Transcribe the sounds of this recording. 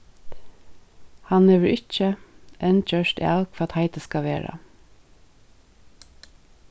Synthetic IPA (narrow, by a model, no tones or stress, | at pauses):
hɑnleːʋəɹʔɪc͡çəʔɛnc͡çœʃtḛɑlkfɔɾɑt̪hæɪt̪əskɑʋeːɹɑ̰